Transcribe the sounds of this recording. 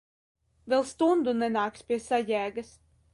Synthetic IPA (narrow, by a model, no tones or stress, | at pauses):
vʲɛlˠst̪und̪unɛnaːkspʲiɛsajæːɡas